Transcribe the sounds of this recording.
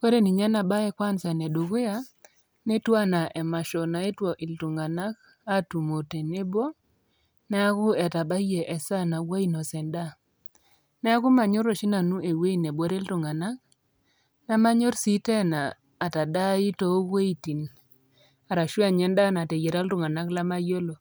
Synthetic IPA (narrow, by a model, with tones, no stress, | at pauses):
we˦ɾe˦ni˨ɲa˦na˨ba˦ɛ˦kwa˦nsɛ˨ne˨do˨ɡʊ˦ja˦ | ne˦twa˦na˨ʔɛ˨ma˨ʃɔ˨na˨e˦two˨ʔi˨ltu˨ŋɡa˨na˦k | a˦tu˨mo˨te˨ne˦bo˦ | nɛ˦a˦kʊ˦ɛ˨ta˨ba˦je˨ʔɛ˨sa˦na˨wa˦i˦no˨sɛ˨nda˦ | nɛ˦a˦kʊ˦ma˨ɲo˦ɾo˨ʃi˦na˨nu˦e˨we˦i˦˨ne˨bwo˦ɾe˦ltʊ˨ŋa˨na˦k̚ | na˦ma˦ɲo˦ɾsi˦tɛ˦naː˨ | ta˨da˦ɪ˦to˨˦we˦i˦ti˨n | a˨ɾa˨ʃwa˦˨ɲɛ˦nda˦na˨te˨je˨ɾa˦ltʊ˦˨ŋɡa˨na˦kla˦ma˦jo˦lo˨